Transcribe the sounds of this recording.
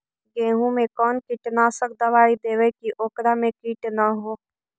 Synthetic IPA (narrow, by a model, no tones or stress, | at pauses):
ɡẽːɦũmẽkɔːnkɪʈnasək̚d̪əʋaːid̪eːʋekiʔoːkɾamẽkiːʈnaɦoː